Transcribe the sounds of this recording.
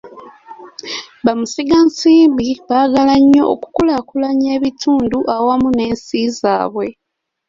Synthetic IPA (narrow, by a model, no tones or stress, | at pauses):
βamusiɡansiːmbiβaːɡalaɲːo̞ʔːku̥kulakulaɲe̞ːβitʰuːnduʔawamune̞ːnsiza̰ːβwe̞